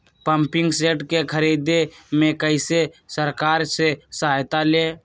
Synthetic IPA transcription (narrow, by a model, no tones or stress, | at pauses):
pəmpɪŋɡseːʈkekʰəɾid̪emẽkəɪsesəɾkaːɾsesajt̪aleː